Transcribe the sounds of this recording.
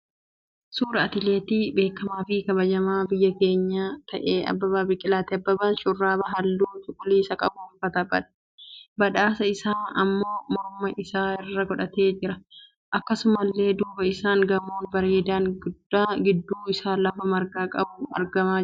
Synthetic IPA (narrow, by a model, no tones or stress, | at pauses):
suːɾɐɐt̪ɪleːt̪iːbe̞ːkːɐmaːfɪkɐbɐd͡ʒɐmaːbɪjːɐke̞ːɲːat̪ʰɐʔeːɐ̰bːɐbaːbɪkʼɪlaːt̪ɪɐbːɐbanʃʼʊrːaːbɐɦɐlːuːt͡ʃʼʊkʼʊliːsɐkʼɐbʊʊlfɐt̪ɐbːɐᶑɐ̥ | bɐᶑaːsɐɪsaːɐmːo̞ːmɔɾmɐʔɪsaːɪrːɐɡɔᶑɐt̪e̞ːd͡ʒɪɾɐ | ʔɐkːɐsʊmɐlːe̞ːd̪uːbɐɪsaːŋɡɐmoːnbɐɾeːd̪aːŋɡʊd̪ːaːɡɪd̪ːuːɪsaːlɐfɐmɐɾɡaːkʼɐ̰bʊɐ̰ɾɡɐmaː